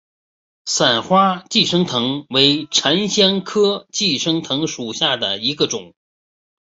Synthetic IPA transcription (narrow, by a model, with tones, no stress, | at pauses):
sa˨˩nxwa˥t͡ɕi˥˩ʂɤ˥ŋt̪ʰɤ˧˥ŋwe˧˥ɪʈ͡ʂʰa˧˥nɕjɑ˥ŋkʰɤ˥t͡ɕi˥˩ʂɤ˥ŋt̪ʰɤ˧˥ŋʂu˨˩ɕja˥˩d̪ə̰˩i˧˥ɡə˧ʈ͡ʂʊ˨˩˦ŋ